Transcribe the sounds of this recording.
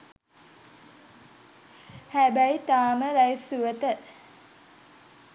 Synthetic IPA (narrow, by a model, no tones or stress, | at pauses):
hæbæjt̪aːməɾæjsuət̪ə